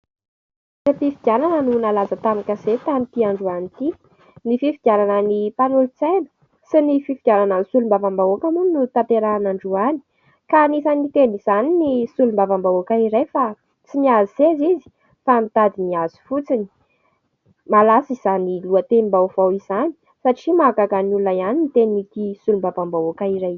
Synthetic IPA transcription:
fat̪ifiɡ̥jananənunalazət̪amakaz̥et̪amit̪iaɳɖ͡ʐuanit̪i̥ | nififiɡ̥ʲjananənipanulut͡sajnə̥ | sinififiɡ̥ʲananənsulumbavambaokəmuninut̪at̪eɾanaɳɖ͡ʐuani̥ | kanisanit̪eniz̥aninisulumbavambaokaiɾajfa | t͡siniazisezizi̥ | famit̪ad̪iniaz̥u̥fut͡sini̥ | malasiz̥aniluət̪eimbawvawiz̥ani̥ | saʈ͡ʂimakakanululajaninit̪ennik̪isulumbavambaokaiɾaj

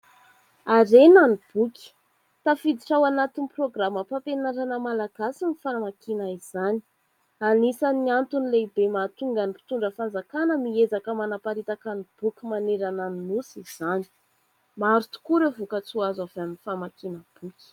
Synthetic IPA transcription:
aɾenanib̥ukʲi̥ | t̪afid̪iʈ͡ʂawanat̪iniproɡraməpapenaɾanəmalaɡ̥asinifaɾamakinaiz̥ani̥ | anisaniant̪unilebemat̪uŋɡanipi̥t̪uɳɖ͡ʐəfand͡zakanəmiezakəmanapaɾit̪akanib̥ukʲimaneɾananinusiz̥ani̥ | maɾut̪u̥kuɾevukət͡suazaveaminifamakinəb̥ukʲi̥

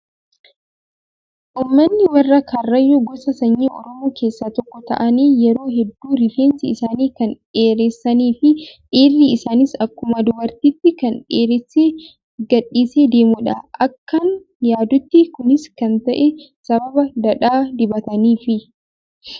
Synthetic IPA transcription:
ʔuːmːɐnːɪwɐrːɐkɐrːɐjːɔɡɔsɐsɐɲːiːʔɔ̰ɾɔmoːkʰe̞ːsːat̪ɔkːɔt̪ɐ̰ʔɐniːjɛɾo̞ːɦɛd̪ːuːɾɪfeːnsɪːɪsaːniːkɐn | eːɾesːɐniːfɪᶑeːrːiɪsaːnɪsɐkːʊmɐd̪ʊbɐɾt̪iːt̪ːɪkɐnᶑeːɾɛse | ɡɐᶑːiːseːd̪e̞ːmuᶑɐʔɐkːɐn | jaːd̪ʊt̪ːɪkʊnɪskɐnt̪ɐʔɛsɐbɐbɐd̪ɐᶑaːd̪ɪbɐt̪ɐniːfɪ

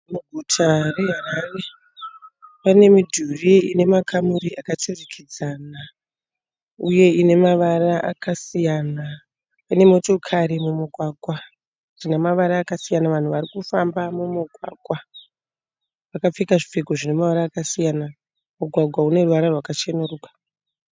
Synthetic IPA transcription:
muɡʱutʰare̞ɦaɾare̞ | pane̞midʱuriine̞makʰamuɾiʔakatorikʰid͡zaːna | uje̞ine̞maʋaraʔakasijana | ine̞mo̞to̞kʰaɾimumuɡʱwaːɡʱwa | ʐinamaʋaɾaːkasijanaʋan̤uʋaɾikufambamumuɡʱwa̰ːɡʱwa | ʋakap͡fikaʐifiɡʱoʐine̞maʋaɾaːkasijana | muɡʱwaɡʱwaune̞ruʋaɾarwakat͡ʃenuruːkḁ

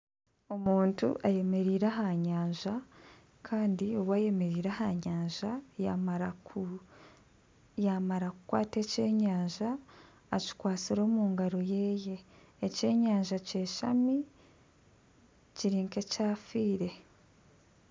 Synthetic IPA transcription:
omuːntṵʔaje̞me̞ɾiːɾaɦaɲaːɲʒa | kʰaːndioβwaːje̞me̞ɾiːɾahaɲaːɲʒamɾ | jamaɾakukwa̰ːte̞ːce̞ːɲaːɲʒaː | ci̥kwaːt͡siɾo̞ːmuːŋɡaɾo̞je̞ːje̞ː | ce̞ːɲaːɲʒace̞ːʃami | ciɾiːŋke̞caːfiːɾe̞

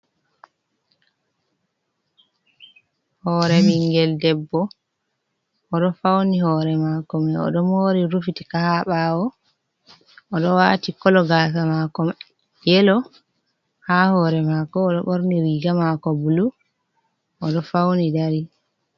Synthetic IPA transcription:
hɔɾɛmiŋɡɛldɛbːɔ | ʔɔɗɔfawnihɔːɾɛmakɔmɛɔ̰ɗɔmoːɾiɾufitikahaɓawɔ | ʔɔɗɔwaːtikɔlɔɡas̬amakɔm | jɛlɔ | hahɔːɾɛmakɔːɗɔɓoɾniɾiːɡamakɔbulu | ʔɔɗɔfawnidaɾi

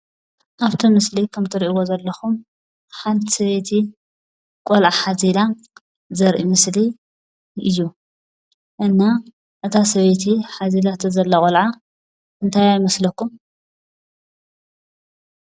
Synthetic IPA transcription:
ʔaβt̪ʰimɨslikʰɐmt̪ʰɨɾʔiwozɐlːɐxum | ħant̪ʰi̥sɐβet̪ʰi | kʼolʕaħazila | zɐɾʔimɨsli | ɨjːu | ʔɨnːa | ʔɨt̪ʰasɐβet̪ʰiħazilat̪ʰɐzɐlːɐkʼolʕa | ʔɨnt̪ʰajajmɐslɐkːum

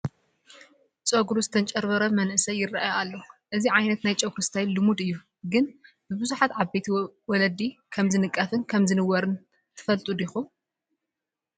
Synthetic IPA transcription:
t͡sʼoɡuɾuzɨt̪ʰɐnt͡ʃʼɐɾβɐɾɐmɐnʔɨsɐjːɪrːaʔajalːoʔɨziʕajnɐt̪najt͡ʃʼɐwkʰɾɨst̪ʰajlɨmud̪ɨjːu | ɡɨn | bɨbɨzuħat̪ʕaβbejt̪ʰiwɔlɐd̪ikʰɐmzɨnɨkʼːɐfɨnkʰɐmzɨnɨwɐɾɨn | t̪ʰɨ̥fɐlt̪ʼud̪ixum

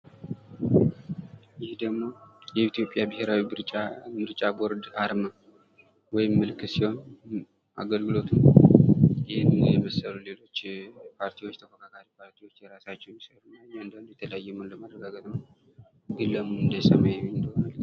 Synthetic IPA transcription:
jɪhd̪əɡmo̞jɛit̪ijo̞pʼjabɨheɾawiɨɾt͡ʃʼamɨɾt͡ʃʼaboɾd̪aɾmə | wɔjɪmːɨlkʰɨsiho̞n | ʔa̰ɡəlɡɨlo̞t̪ʰɨn | jɪhɪnɨjɛməsːəlule̞lo̞t͡ʃːpʰaɾt̪ʰiwo̞t͡ʃːt̪ʰəfəkʰak̪ʰʼaɾipʰaɾt̪ʰiwo̞t͡ʃːjɛɾasat͡ʃːɛwmisəɾunaɨnd̪ənd̪jɛt̪ʰələjajːɛmɨnləmərːəɡaɡət̪ʼn | ɡɨlːəmunɨnd̪əsəmajnd̪əhonal

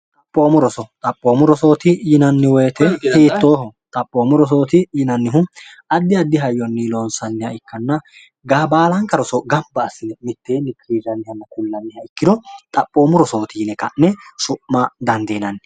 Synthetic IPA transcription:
t̪ʼɐpʼːoːmʊɾɔsɔt̪ʼɐpʼːoːmʊɾɔsoːt̪ɪjɪnɐnːɪwɔjːt̪ɛhiːt̪ːo̞ːɦɔt̪ʼɐpʼːoːmʊɾɔs̬oːt̪ɪjɪnɐnːɪɦʊ | ɐd̪ːɪɐd̪ːɪɦɐjːɔnːiloːnsɐnːɪjɐɪkːɐnːɐ | ɡaːbaːlɐŋkɐɾɔsɔɡɐmbɐːsːɪnɛmɪt̪ːeːnːɪkɾiːɾɐnːɪjɐnːɐkʊlːɐnːɪhɐɪkːɪd̪ɔt̪ʼɐpʼːoːmʊɾɔso̞ːt̪iːnɛkɐnːɛsʊpːad̪ɐnd̪eːnɐnːɪ

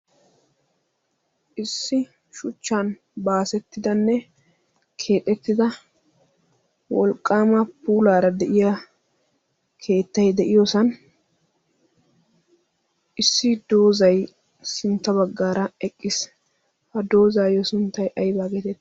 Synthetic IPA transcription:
ʔɪsːɪ | ʃʊt͡ʃːan | baːsɛt̪ːɪd̪ɐnːɛ | kʰe̞ːt̪ʼɛt̪ːɪd̪ɐ | wɔlkʼːaːmɐpuːlaːɾɐd̪ɛʔɪja | kʰe̞ːt̪ːɐjd̪ɛʔɪjosɐn | ʔɪsːɪd̪o̞ːzɐj | sɪnt̪ːɐβɐɡːaːɾɐɛkʼːɪs | hɐd̪o̞ːzaːjɔsʊnt̪ːɐjʔɐjbaːɡeːt̪ɛt̪ː

